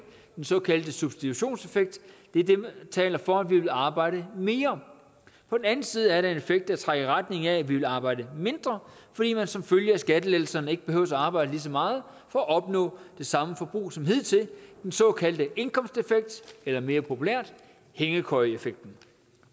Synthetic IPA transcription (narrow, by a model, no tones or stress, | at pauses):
d̥ensɒ̽kʰæld̥əsub̥sd̥it͡sʰuɕo̝̰ːnse̝feɡ̥̚d̥d̥e̝ɐd̥e̝t͡sʰɛ̰ːlɐfɒ̽ædʋiʋe̝lɑ̈ːb̥ɑ̈ɪ̰ɾ̥əme̝ːɐ | pʰɒ̽d̥en̩æn̩siːð̞̩ˠæɐɾɑe̝ne̝feɡ̥̚d̥æt͡sʰʁaɡəʁad̥ne̝ŋææʋiʋe̝lɑ̈ːb̥ɑ̈ɪ̰dəme̝nd̥ʁɐfɒd̥ḭːmænsɒ̽mføljəæsɡ̥ædəlel̩sɐnəe̝ɡ̥ə̥b̥e̝hø̰ʊ̰sæɑ̈ːb̥ɑ̈ɪdəlis̬ɒ̽mɑ̈ːð̩ˠ | fɒæʔɒ̽b̥nɔ̰ːd̥e̝sɑ̈məfɒ̽b̥ʁṵːsɒ̽mɦið̰ˠt͡sʰe̝ld̥ensɒ̽kʰæld̥əe̝nkʰɒ̽m̰sd̥e̝feɡ̥̚d̥elɐme̝ːɐpʰo̝pʰuleɐ̰d̥ | heŋəkʰɒɪe̝feɡ̥̚d̥n̩